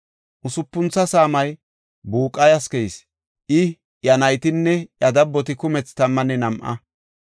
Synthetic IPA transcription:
ʔʊsʊpːʊnt͡sːɐsaːmɐj | buːkʼːɐjɐskɛjs | ʔɪ | jɐnɐjt̪ɪnːɛjɐd̪ɐbːɔt̪ɪkʊmɛt͡st̪ɐmːɐnɛnɐmʔɐ̰

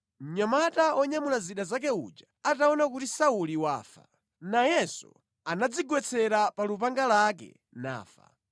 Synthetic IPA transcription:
m̩ɲamataɔɲamulaziɗazak̬ɛṵd͡ʒaataɔnakutisauliwa̰ːfa̰ | najɛsṵ | anad͡ziɡwɛt͡sʰɛɾapalupaŋɡalak̬ɛ̰ | na̰ːfa̰

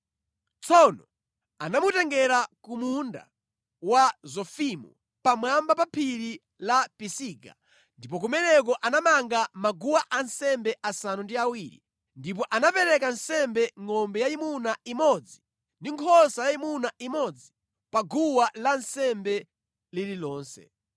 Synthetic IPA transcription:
t͡sʰɔnɔ | anamutɛŋɡɛɾakumunda̰ | wazɔfimṵ | pamwambapapʰiɾi | lapisiɡa̰ | ndipɔk̬umɛnɛkɔʔanamaŋɡamaɡuwaʔansɛmbɛʔasanundiawiɾḭ | ndip̬ɔʔanapɛɾɛkansɛmbɛŋɔmbɛjaimunaimɔd͡zi | ndiŋkʰɔsajaimunaʔimɔd͡zi | paɡuwalansɛmbɛ | lililɔːnsɛ̰

